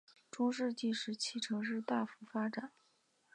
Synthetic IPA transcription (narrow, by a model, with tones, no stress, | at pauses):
ʈ͡ʂʊ˥ŋʂɻ̩˥˧t͡ɕi˥˧ʂɻ̩˥˩t͡ɕʰi˥˩ʈ͡ʂʰɤ˧˥ŋʂɻ̩˥˧t̪a˥˩fu˧˥fa˥ʈ͡ʂa˨˩˦